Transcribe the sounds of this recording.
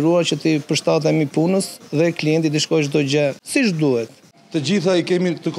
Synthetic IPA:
ɾuat͡ɕət̪ipəɾʃt̪at̪̬ɛmipunəsðɛkliɛnt̪id̪iʃkɔʃ̬d̪ɔd͡ʑɛsiʃd̪uhɛt̪ | t̪əd͡ʑiθaikɛmit̪ək

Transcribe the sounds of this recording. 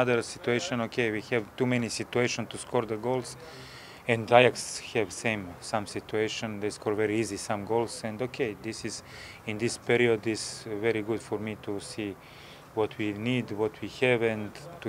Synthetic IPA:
aðəɾsit̪ueɪʃə̃nokʰewihɛvt̪umɛnisit̪ueɪʃə̃nst̪uskʰɔɾd̪əɡolˠs | ɛ̃nd̪ajakshɛvsẽɪ̃msãmsit̪ueɪʃə̃nd̪eɪskʰɔɹvɛɾiizisãmɡoʊlˠsɛ̃nd̪okʰeɪd̪ɪsɪz | ɪ̃nd̪ɪspiɾiod̪ɪzvɛɾiɡʊd̥̪fɔɾmit̪ʰusi | wɔt̪ʰwinid̪wɔt̪ʰwihɛvɛ̃nt̪u

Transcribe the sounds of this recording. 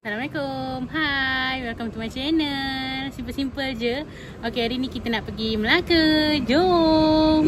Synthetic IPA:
salamlekomɦajbərkamt̪umat͡ʃɛnəlsimpəlsimpəld͡ʒə | okeaɾinikit̪ənaʔpəɡiməlakəd͡ʒo

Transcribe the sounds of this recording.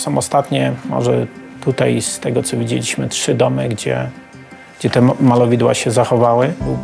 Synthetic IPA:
sɔ̃w̃ɔst̪at̪ɲɛmɔ̰ʐɛt̪ut̪ajst̪ɛɡɔt̪sɔvʲid͡ʑḛlʲiɕmɘtʂɘd̪ɔmɘɡd͡ʑɛ̰ | ɡd͡ʑɛt̪ɛmalɔvʲid̪wa̰ɕɛzaxɔvawɘlu

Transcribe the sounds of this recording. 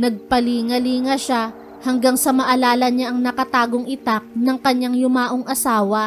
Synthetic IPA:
nɐɡ̚pɐliːŋɐliːŋɐʃa | hɐŋɡaŋsɐmɐʔɐlaːlɐɲaʔɐŋnɐkɐt̪aːɡoŋʔɪt̪ak̚nɐŋkɐɲːaŋjʊmaːʔoŋʔɐsaːwɐ

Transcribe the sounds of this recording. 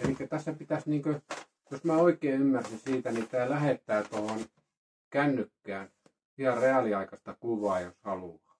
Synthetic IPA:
elikːæt̪æsːæpit̪æsniːŋkø | josmæoikˑeːymːærsisiːt̪ænit̪æːlæhet̪ːæːt̪ohon | kænːykːæːn | ʋiælreɑliɑikɑst̪ɑkuʋˑɑːjoshɑluɑː

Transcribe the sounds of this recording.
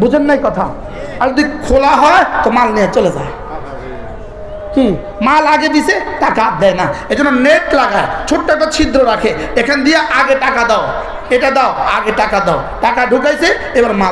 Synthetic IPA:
bud͡ʒʱənːajkɔt̪ʰa | aɾzɔd̪ikʰolaɦɔet̪ɔmalnijat͡ʃɔled͡ʒa̰e | ki | malaɡed̪iseʈakad̪ɛjnaed͡ʒɔnɔneʈlaɡajt͡ʃʰoʈːaʈat͡ʃʰid̪ɾɔɾakʰeekʰand̪ijaʔaɡeʈakad̪aʊ | eʈad̪awaɡeʈakad̪aʊʈakaɖʱukajse | ebaɾma

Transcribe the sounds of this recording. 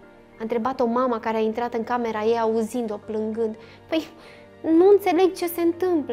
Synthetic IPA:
aɨnt̪ɾe̞bat̪o̞maməkaɾeaint̪ɾat̪ɨŋkame̞ɾajejauzind̪oplɨŋɡɨnd̪ | pəj | nuɨnt̪se̞le̞ɡ̚t͡ʃe̞se̞ɨnt̪ɨmplə

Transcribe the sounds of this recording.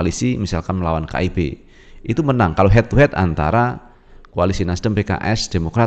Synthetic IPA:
alisimisalkanməlawanka̰ibḛ | ʔit̪umənaŋkaloɦɛt̪uɦɛt̪a̰nt̪a̰ɾa | koalisinasdəmpeka̰ʔɛsd̥emokɾa

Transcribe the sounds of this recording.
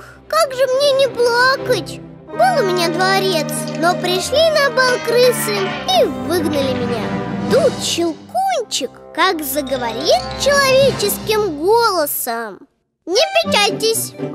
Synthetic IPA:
x | kaɡʐɨmnʲenʲɪplˠakətʲ | bɨlˠmʲɪnʲad̪vɐɾʲe̞t̪snopɾʲɪʂlʲinɐbalˠkɾɨsɨivɨɡnəlʲɪmʲɪnʲa̰d̪ut͡ɕɪlˠkunʲt͡ɕɪkːakzəɡəvɐɾʲit̪t͡ɕɪlˠɐvʲet͡ɕɪskʲɪmɡolˠəsəm | nʲɪpʲɪt͡ɕalʲtʲɪsʲ

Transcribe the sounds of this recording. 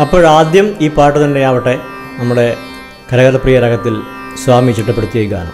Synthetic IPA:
ɐpːo̞ːɻaːd̪jɐmiːpaːʈːut̪ɐndeaːʋiʈːe̞ | nɐmːuɽe̞ | kɐɾɐɣɐlɐpriːjɐɾɐɡɐt̪ːil | sʋaːmit͡ɕiʈːɐpːeɽut̪ːijejukːɐja̰ːnɨ̰

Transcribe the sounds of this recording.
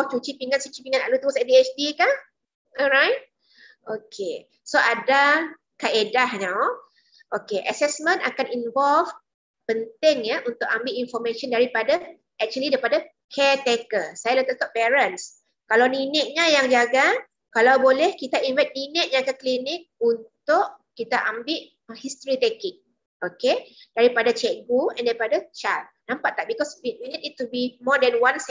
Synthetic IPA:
t͡ʃut͡ʃipiŋat̪̚t͡ʃut͡ʃipiŋãna̰ʔlut̪əɾʊsɛʔdiet͡ʃt̪ika | ɔlɾajt̚ | okʰe | soʔada | kaedahnãw | ʔokeʔəsɛsmə̃nakaninvɔlf | pənt̪ɪŋjaʔunt̪ʊkambiinfɔmẽʃɔndaɾipada | ɛk̚t͡ʃuəlidaɾipada | kɛt̪ɛkəsajalət̪at̪ɔʔpɛɾəns | kalawninɪʔ̚ɲãjaŋd͡ʒaɡa | kalawbolɛhkit̪ainvajt̪̚ninɪʔ̚d͡ʒaɡaklinɪk̚unt̪ʊʔkit̪aʔambɪʔ | hist̪ɾit̪ɛkɪk̚ | oked̥aɾipadat͡ʃɛʔɡuɛ̰̃ndaɾipadat͡ʃat̪̚ | nãmpaʔt̪aʔ̚bikɔswiwiniditːubimɔdɛnwãns

